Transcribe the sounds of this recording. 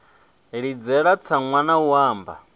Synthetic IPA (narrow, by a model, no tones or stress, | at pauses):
ɺid͡zɛɺat͡sʰaŋwanauaːmba̰